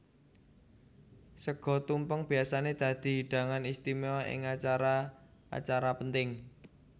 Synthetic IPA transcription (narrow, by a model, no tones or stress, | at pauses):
səɡ̥ɔ̤t̪umpəŋb̥iasaned̪̥a̤d̪̥i̤ɦiɖ̪̥a̤ŋanist̪imeɔɪ̰ŋat͡ʃaɾaa̰t͡ʃaɾapənt̪ɪŋ